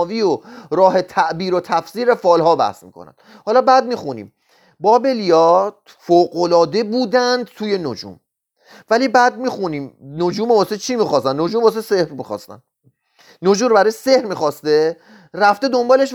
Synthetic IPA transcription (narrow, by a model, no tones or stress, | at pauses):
viːoɾɒːhe̞t̪ʰæʔbiːɾot̪ʰæfsiːɾefɒːlhɒːbæ̰hsmḭːkʰo̰næ̰nd̪̥ | hɒːlɒːbæd̪̚miːxunḭːm | bɒːbe̞lijɒːt̪ | foːɢolɒːd̪e̞buːd̪ænd̪̚t̪ʰuːje̞nod͡ʒṵːm | væliːbæːd̪̚miːxuniːmnod͡ʒuːmobɒːset͡ʃʰimixɒːst̪ænno̞d͡ʒuːmbɒːs̬ese̞hɾmixɒ̰ːst̪æ̰n̥ | nod͡ʒuːmɾbæɾɒːjesehɾmixɒːst̪e̞ | ræft̪ed̪ombɒːleʃ